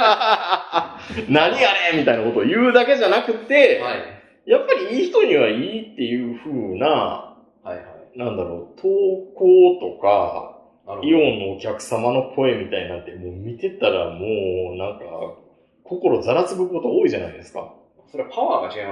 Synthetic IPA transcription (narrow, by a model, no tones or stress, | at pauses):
naɲiaɾemʲit̪ainako̞t̪oːjɯ̟ːd̪ake̞ʑanakɯ̟t̪ːe̞a | japːaɾʲiiːçi̥t̪o̞ɲ̟iβaiːt̪ːe̞jɯ̟ːɸɯ̟ːna | haanãnd̪aɾo̞ːt̪ʰoːko̞ːt̪o̞ka̰ | aiõ̞nːo̞ːkʲakɯ̟̥samano̞kʰo̞e̞mʲit̪ainat̪ːe̞mo̞ːmʲit̪e̞t̪aɾa̰mo̞ːnãŋka̰ | kʰo̞ko̞ɾo̞zaɾat͡sɨbɯko̞t̪o̞oːiʑanaid̪e̞sɨ̥ka̰ | soɾepaβaːkaɕie